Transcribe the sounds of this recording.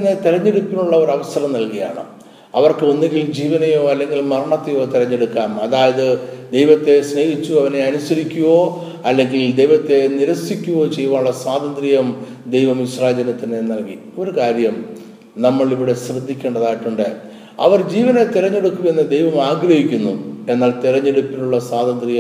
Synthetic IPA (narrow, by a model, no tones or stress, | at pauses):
nːet̪iɾɐɲːeɽukːunːuɭːɐoɾɐʋɐsɐɾɐmnɐlkɐja̰ːɳɨ̰ | ɐ̰ʋɐrkɨonːeŋɡild͡ʑiːʋɐnɐjoːɐlːe̞ŋɡilmɐrɐɳɐt̪ːejoːt̪iɾɐɲːeɽukːaːmɐðaːjɐðɨd̪ejʋɐt̪ːe̞sneːɦit͡ɕːuɐʋɐne̞ɐnusɐɾikʲːuʋo̞ː | ɐlːe̞ŋɡild̪e̞jʋɐt̪ːe̞niɾɐsikʲːuʋo̞ːt͡ɕe̞jːuʋaːuɭːɐswaːd̪ɐnd̪rijɐm | d̪ejʋɐmiɕraːd͡ʑɐnɐt̪ːinenːɐlɡi | o̞ɾukaːɾjɐm | nɐmːɐɭiʋiɽe̞ɕrɐd̪ːikʲːeːɳɖɐðaːjiʈːuɳɖɨ | ɐ̰ʋɐrd͡ʑiːʋɐnet̪iɾɐɲːe̞ɽukːue̞nːɨd̪e̞jʋɐmaːɡrɐhikʲːunːue̞nːaːlt̪iɾɐɲːe̞ɽupːiʈːuɭːɐsaːd̪ɐnd̪rijɐ